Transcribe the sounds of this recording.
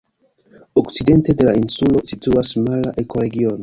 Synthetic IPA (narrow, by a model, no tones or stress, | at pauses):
okside̞nte̞de̞lainsulo̞situasmalaʔe̞ko̞ɾe̞ɡio̞no